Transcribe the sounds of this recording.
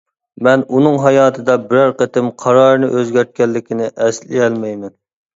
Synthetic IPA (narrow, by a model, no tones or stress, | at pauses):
mɛnunɨŋɦɑjɑːt̪ʰɨd̪ɑbɪɾæɾqət̪ɪmqʰɑɾɑːɾɨnɨ̰ʔøzɡʲæɾt̪̚kʲɛlːɪkʲinɪʔɛslɪɛlmɛjmɛn